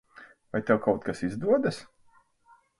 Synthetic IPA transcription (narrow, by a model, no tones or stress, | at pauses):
vajt̪ɛwkawt̪̚kasizd̪uɔd̪as